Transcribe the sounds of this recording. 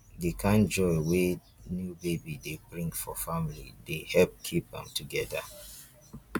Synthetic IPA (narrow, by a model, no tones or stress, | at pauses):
dekʰãnd͡ʒɔɪwe | njubebidebɹĩŋɡfɔfamilḭdehɛlp̚kʰipã̰mtʰuɡɛda̰